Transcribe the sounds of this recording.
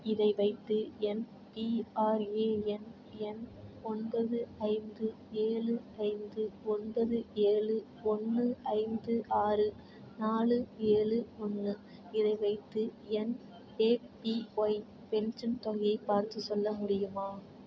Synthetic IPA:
ɪðɐɪʋɐɪt̪ːɯɛn | piaːɾeːɛn | ɛnɔnbɐðɯɐɪnd̪ɯ | eːɭɯɐɪnd̪ɯɔnbɐðɯeːɭɯ | ɔnːɯɐɪnd̪ɯʔaːrɯ | naːlɯeːɻɯɔnːɯ | ɪðɐɪʋɐɪt̪ːɯɛn | eːpioj | pɛnsɐnt̪ɔɣɐjɐɪpːaːɾt̪ɯsɔlːɐmʊɽɪjɯmaː

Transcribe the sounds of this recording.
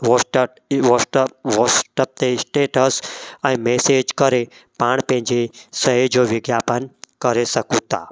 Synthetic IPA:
ʋoʈ | ʋosʈʋosʈəp̚t̪esʈeːʈəsɛ̃ĩmeːseːd͡ʒkəɾepaːɽ̃pẽɦɪ̃ɲd͡ʒesəɦed͡ʒoːʋɪɡjaːpənkəɾesɐkũt̪a̰ː

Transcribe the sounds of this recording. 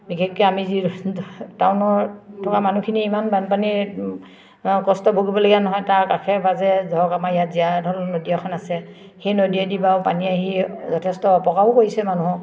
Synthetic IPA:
bikʰɛkːɛamizi | tawnɔɹtʰɔkamanukʰiniːmanbanpani | kɔstɔbʱoɡibɔloɡianɔɦɔjtaɹkakʰɛbazɛzɔkamajatzijadʱɔlnodiakʰɔnasɛ | xejnodiɛdibaʊpaniaɦizɔtʰɛstɔpɔkaɦʊkoɹisɛmanuɦɔ

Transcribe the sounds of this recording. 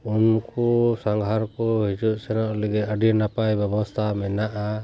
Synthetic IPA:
unkɔsaŋɡʱaɾkɔɦid͡ʒuʔsɛnɔʔlɛɡɛəɖinapajbɛbɔst̪ʰamɛnaʔa

